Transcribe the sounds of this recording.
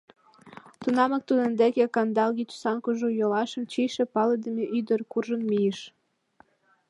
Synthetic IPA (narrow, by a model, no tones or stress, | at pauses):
t̪unɑmɤk̚t̪ud̪ĕnd̪ekekɑnd̪ɑlɣit̪u̥sɑnkuʒujolɑʃə̆mt͡ɕiʃĕpɑled̪ə̆meʔyd̪ərkurʒə̆nmijeʃ